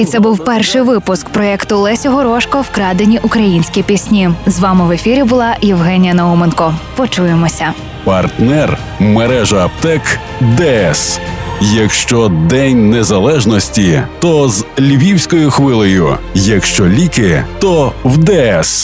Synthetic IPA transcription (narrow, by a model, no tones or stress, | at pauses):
it̪sɛbuwpɛrʃɪjʋɪpʊskpɾɔɛkt̪ʊlˠɛsʲɔɦɔɾɔʃkɐwkɾɑd̪enʲiʔʊkɾɐjinʲsʲkʲipʲisʲnʲizʋɑmɪʋefʲiɾʲibʊlˠɑjiwɦɛnʲijɐnɐumenkɔpɔt͡ʃujemɔsʲɐ | pɐrt̪nɛr | meɾɛʒɐːpt̪ɛk | d̪ɛɛsjɐkʃt͡ʃɔd̪ɛnʲnezɐlˠɛʒnɔsʲtʲit̪ɔzlʲʋʲiwsʲkɔjʊxʋɪlˠɔjʊ̰jɐkʃt͡ʃɔlʲikɪt̪ɔwd̪ɛɛs